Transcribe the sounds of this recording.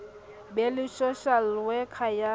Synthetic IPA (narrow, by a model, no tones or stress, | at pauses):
bɛlɪsɔʃal̩wɛkʰaja